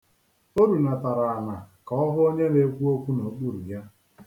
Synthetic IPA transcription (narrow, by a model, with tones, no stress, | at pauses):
o˦ɾu˨na˨ta˨ɾa˨a˨na˨ka˨ɔ˦ɦʊ˦o˦ɲe˦ne˦kʷu˦o˦kʷu˦no˨k͡pu˦ɾu˨ja˦